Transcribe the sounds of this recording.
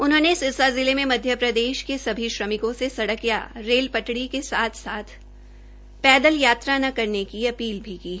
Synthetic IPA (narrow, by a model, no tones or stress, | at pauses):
ʊnɦõnesɪsazɪlemẽmɐd̪ʱjəpɾɐd̪eːʃkesɐbʱiʃɾɐmɪkõsesɐɽəkja̰ɾeːlpɐʈɽikesaːt̪ʰsaːt̪ʰ | pɛːd̪əljaːt̪ɾanɐkɐɾnekiɐpiːlbʱikiː